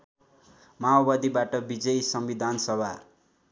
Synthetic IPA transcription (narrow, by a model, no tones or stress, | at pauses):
mawbad̪ibaʈʌbid͡zʌjsʌmbid̪ʱansʌbʱa̰